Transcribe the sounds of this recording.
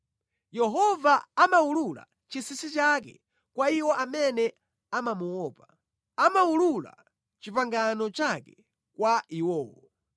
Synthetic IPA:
jɛɦɔvaamaulula̰ | t͡ʃisisit͡ʃakɛ̰ | kwaiwɔʔamɛnɛ | amamuwɔːpa | amaulula̰ | t͡ʃipaŋɡanɔt͡ʃakɛ | kwaʔiwɔːwɔ

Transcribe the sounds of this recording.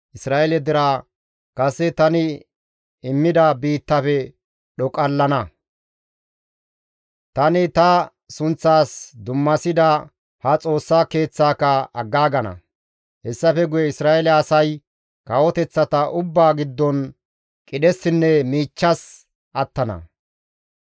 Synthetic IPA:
ʔɪsɾaːʔɛlɛd̪ɪɾaː | kʼɐsɛt̪ɐnɪ | ɪmːɪd̪ɐbiːt̪ːɐfɛ | ɗɔkʼɐlːɐnɐ | t̪ɐnɪt̪ɐ | sʊnt͡sːaːsd̪ʊmːɐsɪd̪ɐ | hɐt͡sʼo̞ːsːaːke̞ːt͡sːaːkɐɐɡːaːɡɐnɐ̰ | hɛsːɐfɛɡʊjɛɪsɾaːɛlɛɐsɐj | kɐwɔt̪ɛt͡sːɐt̪ɐʔʊbːaːɡɪd̪ːɔn | kʼɪɗɛsɪnːɛmiːt͡ʃːɐs | ʔɐt̪ːɐnɐ̰

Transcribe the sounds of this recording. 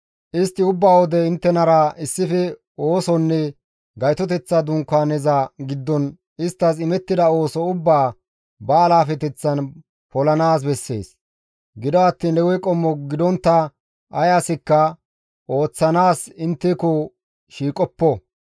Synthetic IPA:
ʔɪst̪ːɪʊbːaːwɔd̪ɛɪnt̪ːɛnɐɾɐɪsːɪfɛ | oːsɔnːɛ | ɡɐjt̪ɔt̪̬ɛt͡sːɐd̪ʊŋkːaːnɛzaɡɪd̪ːɔn | ɪst̪ːɐs̬ɪmɛt̪ːɪd̪ɐo̞ːsɔʊbːaː | bɐːlaːfɛt̪ɛt͡sːɐn | pɔlɐnaːs̬bɛsːe̞̰ːs | ɡɪd̪ɔɐt̪ːiːnlɛwɛjkʼɔmːɔɡɪd̪ɔnt̪ːɐ | ɐjaːsɪkːɐ | ʔo̞ːt͡sːɐnaːsɪnt̪ːɪkɔ | ʃiːkʼɔpːɔ

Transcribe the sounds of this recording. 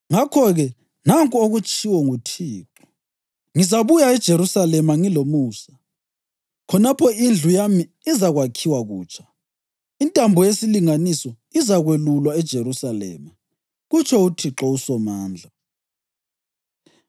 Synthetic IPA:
ŋakʰɔɣɛ | naŋkʼuoɣut͡ʃʼʰiwɔŋutʰiːǁɔ̥ | ŋizaβujaɛd̥ʒ̥ʱeɾusalɛmaŋilomuːsa | kʰɔnapʰɔind͡ɮʱujamiːzaɣwakʰiwaɣuːt͡ʃʰʼḁ | intʼambʱɔjesiliŋanisɔ | izaɣwelulwaɛd̥ʒ̥ʱeɾusalɛ̰ːma | ɣut͡ʃʰɔutʰiǁɔusɔmaːnd͡ɮʱa

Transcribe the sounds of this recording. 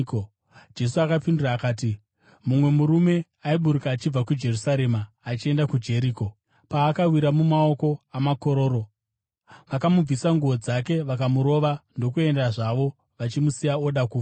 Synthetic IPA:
d͡ʒe̞suakapinduraːkaːt̬i | mumwe̞muɾume̞ | aiɓuɾukaːt͡ʃib͡vakud͡ʒe̞rusaɾe̞maː | t͡ʃie̞ndakud͡ʒe̞ɾiːko̞ | paːkawiɾamumao̞ko̞amako̞ɾo̞ːɾo̞ | ʋakamub͡visaŋɡuʋo̞d͡zake̞ʋakamuɾo̞ʋando̞kue̞ndaʐaʋo̞ | ʋat͡ʃimusijao̞ɗakuːa

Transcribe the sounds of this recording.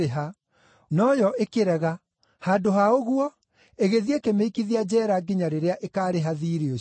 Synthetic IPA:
eɦa | nɔjɔʔekeɾɛɣa | haːdoɦaoɣuɔ | eɣeðiekemeikiðiad͡ʑɛːɾaɡiɲaɾeɾeaʔekaːɾeɦaðiːɾio

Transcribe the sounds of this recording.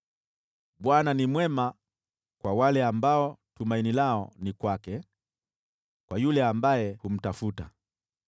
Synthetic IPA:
ɓwananimwɛma | kwawalɛambaɔtumainilaɔnikwakɛ | kwajulɛambajɛhum̩tafuta

